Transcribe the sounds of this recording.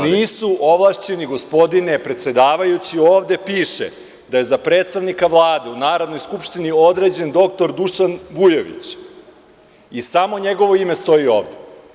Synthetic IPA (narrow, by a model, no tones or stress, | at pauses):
niːsuʔoʋlˠaʃt͡ɕe̞niɡospo̞d̪inepɾe̞t̪se̞d̪aːʋajut͡ɕio̞ːʋd̪e̞piːʃḛ | d̪aje̞zapɾe̞ːt̪st̪aʋnikaʋlˠaːd̪e̞unaːɾod̪no̞jskupʃt̪inio̞d̪ɾe̞ːd͡ʑe̞nd̪o̞kt̪o̞ɾd̪uʃanʋujeʋḭt͡ɕ | isamo̞ɲe̞ɡo̞ʋo̞ime̞st̪o̞io̞ːʋd̪e